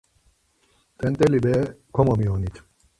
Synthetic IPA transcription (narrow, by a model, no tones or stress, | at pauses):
t̪ɛnt̪elibekʰomomionit̪ʰ